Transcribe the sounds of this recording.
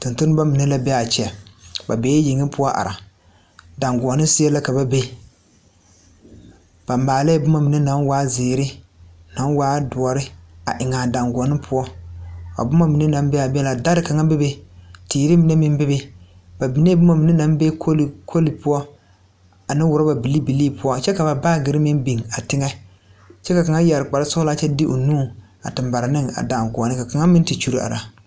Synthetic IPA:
tɨ˨ntʊ˦nɨ˦ba˦mi˨nɪ˦la˦bɛ˦a˨t͡ʃɛ˨˦a˨ba˨beː˨˦ji˨ŋi˦pʊ˦ɔ˦ʔa̰˨ɾa˨ | da˨ŋɡʷɔ˨nɨ˦si˦ɛ˦la˦ka˨ba˦be˦ | b̥a˨mːaː˨la˦bʊ˦ma˦mi˨ni˦na˨˦nwaː˦zeː˨ɾɪ˦na˨˦nwaː˦dʊ˨ɔ˨ɾɪ˦a̰˨ʔɪ˨ŋaː˨da˨ŋɡɔ˨nɨ˦pʰʊ˦ɔ˦a̰˨bʊ˦ma˦mi˨ni˦na˨˦mbɛ˦a˨bɛ˦la˨da˦ɾɪ˦ka˨ŋa˦bɪ˦be˦tiː˨ɾi˦mi˨˦nɛ˦mɪ˦m˦bɪ˦be˦ | b̥a˨bi˨neː˦bʊ˦ma˦mi˨ni˦na˦mbe˦kʰo˦lkʰo˦li˨pʊ˦ɔ˦ | a˨nɪ˦wʊ˨ɾa˦ba˨bi˨li˦bi˨liː˦˨pʊ˦ɔ˦t͡ʃɛ˦ka˨ba˨baː˦ɡɪ˨ɾɪ˦mɪ˦nbi˨ŋa˨tɪ˦ŋɛ˦ | t͡ʃɛ˦ka˨ka˨ŋa˦ja˨ɾɪ˨k͡pa˨ɾa˦sʊ˦hʊ˦la˦t͡ʃɛ˦dɪ˦ʔo˨nuː˦˨ | a̰˨tɪ˨mba˨ɾɪ˨nɪ˦ŋa̰˨da˨ŋɡɔ˨nɪ˦ka˨ka˨ŋa˦mɪ˦n˦ti˨t͡ʃu˦ɾi˦a̰˨ɾa˨

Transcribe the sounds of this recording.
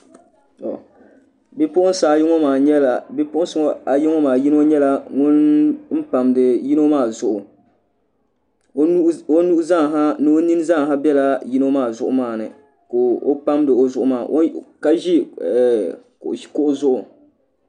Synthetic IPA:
tɔ̰˨ | bi˦pʊ˦ʔʊ˦n˦saː˨jɪ˦ŋɔ˦maː˨ɲɛ˦la˨bɪ˦pʊ˦ʔʊ˦sʊ˨ŋɔ˨a˨ji˦ŋɔ˦maː˨ji˦no˦ɲɛ˦la˨ŋʊ˦nm̩˦pa˨mdɨ˨ji˦no˦maː˦˨zʊ˦ʔʊ˨˦ | o˦nu˦ʔza˦˨ŋ˨ɦa˦nɨ˦o˦ni˦n˦za˦ŋ˨ɦa˦bɛ˦la˦ji˦no˦maː˦˨zʊ˦˨ʔʊ̰˨maː˦˨nɨ̰˨ | ko˨o̰˦pa˦mdɨ˨o˨zʊ˦ʔʊ˦maː˨ʔo˦ka˦ʒi˦ɛ˨ | kʔo˨i̥˨kʊ˦ʔʊ˦zʊ˦ʔʊ˨

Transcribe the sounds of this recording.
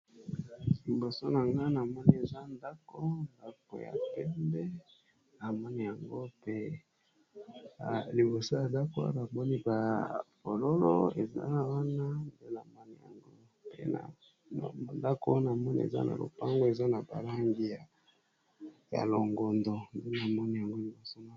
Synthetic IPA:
lmbo˨so˦na˨ŋɡa˦na˨mɔ˦ni˦e˨za˦nda˦ko˦nda˦ko̰˨ja̰˨pɛ˦mbɛ˦ | a˨mɔ˦ni˦ja˨ŋɡo˦pe˦˨ | li˨bo˨so˦ja˨da˦ko˦a̰˦a˨bɔ˦ni˦ba˨po˨lo˦lo̰˦ḛ˨za̰˦˨wa˦na˦nde˦na˨mɔ˦ni˦ja̰˨ŋɡo˦ | pḛ˦na̰˨ | n̰˨nda˦ko˦na˨mɔ˦nḭ˦ḛ˨za̰˦na̰˨lo̰˨pa˦ŋɡo˦e˨za˦na˨ba̰˨la˦ŋɡi˦ja˨ | ja̰˨lo˨ŋɡo˨ndo˨nde˦na˨mɔ˦ni˦ja˨ŋɡo˦li˨bo˨so˦na˨

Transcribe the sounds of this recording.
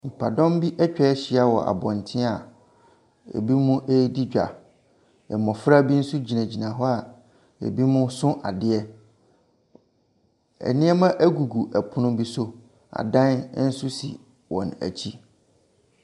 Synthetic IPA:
m̩˨pʰa˨dɔ̃˦mbi˦ʔɛ˦t͡ɕᶣɛ˦ɛ˦ɕɪ˦a˦wɔ̰˨ʔa̰˨bɔ̃˨n˨tʰɪ̃˦a˨ | ɛ̰˨bi˦mʊ̃˦ʔe˦ji˦di˦d͡ʑᶣa̰˨ | ɛ̰˨mɔ̃˨fɾa˦bi˦n̩˦sʊ˦d͡ʑi˨nã˨d͡ʑi˨nã˨ɦɔ˦a˨ | ɛ̰˨bi˦mʊ̃˦sʊ̃˦ʔa˨dɪ˦ɛ˦ | ɛ̰˨nɪ̃˦ɛ˦mã˦ʔæ˦ɡu˨ɡu˨ʔæ˨pʰʊ˦nʊ̃˦bi˦so˦ | a̰˨dã˦n˦n̩˦sʊ˦sḭ˨ | wɔ̰̃˨næ̰˨t͡ɕʰi˦

